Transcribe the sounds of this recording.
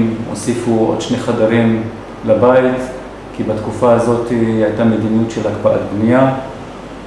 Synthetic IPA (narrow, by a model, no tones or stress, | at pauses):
mo̰sifuo̰d̪̥ʃneχad̪aɾim | labait | kibat̪kufaːzo̞t̪ihajt̪ame̞d̪inijutʃelakbaʔa̰t̪̚bnija